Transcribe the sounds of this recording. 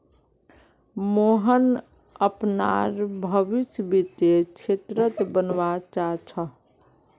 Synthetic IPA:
moɦən | əpnaɾbʱəbisbit̪et͡ʃʰet̪ɾət̪bənʋat͡ʃat͡ʃʰə

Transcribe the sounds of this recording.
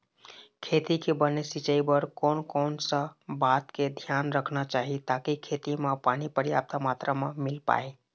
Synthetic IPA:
kʰet̪ikebənesit͡ʃəibəɾkonkonsə̃bat̪ked̪ʱjanɾəkʰnat͡ʃaɦit̪akikʰet̪imepanipəɾija̰p̚t̪amat̪ɾəmemilpa̰e

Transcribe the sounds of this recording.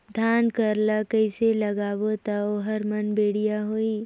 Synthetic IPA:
d̪ʱaːnkəɾlakəɪselɐɡaːbot̪aoɦɐɾmənbeːɽ̤ijaɦoːiː

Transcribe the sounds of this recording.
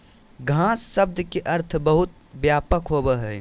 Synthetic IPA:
ɡʱãsːəb̚d̪keʔəɾt̪ʰbəɦut̪̚ | bjapəkɦobəɦə

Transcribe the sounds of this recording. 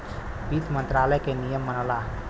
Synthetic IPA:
bit̪mənt̪ɾaləjkenijəmːənəla

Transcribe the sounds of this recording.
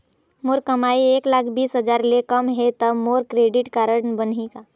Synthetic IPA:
moɾkɐmaːieːklaːkʰbiːsɦəd͡ʒaːɾlekəmɦet̪əmoːɾkɾeːɖɪʈkaːɾəɽnbənɦikaː

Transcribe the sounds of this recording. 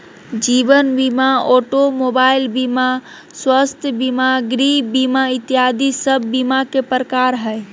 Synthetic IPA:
d͡ʒibənbimaoʈomobailbima | swəst̪ʰjəbimaɡɾibimait̪iɦad̪isəbʱːimakepɾəkaɾɦə

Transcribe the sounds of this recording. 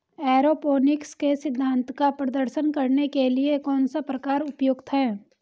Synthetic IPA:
ɛːɾopoːnɪkskesɪd̪ʱːãːnt̪kapɾɐd̪əɾʃənkɐɾnekeliekɔːnsapɾɐkaːɾʊpjoːɡt̪ʰɦɛː

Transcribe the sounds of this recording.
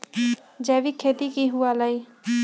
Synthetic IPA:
d͡ʒɛːʋikʰeːt̪ikiɦuaːləiː

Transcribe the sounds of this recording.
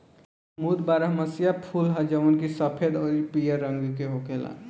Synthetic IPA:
mud̪baːɾəɦməsijapʰulɦəd͡ʒəʋənkisəpʰed̪ɔːɾipijəɾːə̃ŋɡkeɦokeːla̰

